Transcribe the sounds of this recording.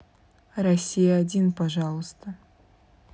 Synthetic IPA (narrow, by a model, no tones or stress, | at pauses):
rɐsʲːijaːdʲinpɐʒɑlˠəst̪ə